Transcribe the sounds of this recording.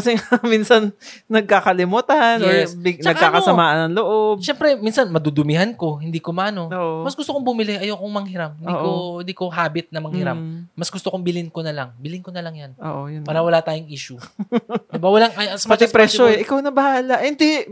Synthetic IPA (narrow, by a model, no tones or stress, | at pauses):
kɐsɛŋaminsɐn | nɐɡ̚kakɐlɪmut̪anɪnɐɡkaːkɐsɐmaːʔɐnɐŋloʔo̞bʃɛmpɾɛminsɐnmɐd̪ud̪ʊmɪɦanko̞ɦɪnd̪iːkomɐʔɐno̞oʔomɐsɡʊst̪okoŋbʊmɪlɪʔɐjowkoŋmɐŋhɪɾamhɪniʔkond̪iːko̞ɦaːbɪt̪̚nɐmɐŋhɪɾamːɐsɡʊst̪okoŋbɪlɪnkonɐlɐŋbɪlɪŋkonɐlɐŋjɐnʔo̰ːʔojʊnpaːɾɐwɐlaːt̪aːjʊŋʔiːʃʊ | dɪbawɐlaŋɐspɐt̪ɪpɾɛʃoɛʔɪkawnɐbɐhaːlɐʔhɪnd̪ɛ